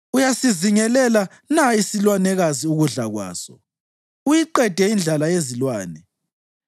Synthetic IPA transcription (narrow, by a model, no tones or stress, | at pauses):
ujasiziŋɛlɛla | naisilwanɛɣaziuɣuɮaɣwa̰ːsɔ | ujiǃɛd̥ʱɛind͡ɮʱalajezilwaːnɛ